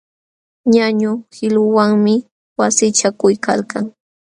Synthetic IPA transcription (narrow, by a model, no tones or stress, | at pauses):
ɲaɲʊhɪlʊwaŋmɪ | wasɪt͡ʃakʊjka̰lkaŋ